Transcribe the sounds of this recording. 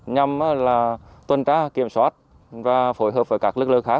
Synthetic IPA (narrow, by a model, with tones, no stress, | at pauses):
ɲa˧˩mʔaː˨˦laː˨˩t̪wə˧˩nt͡ɕaː˧ki˧˩əmswaː˦˥t̚ | vaː˨˩fo˧˩˦jɦəː˨˩p̚vəː˧˩kaː˦˥k̚lɨ˦˥k̚lɨ˧ŋxaː˦˥k̚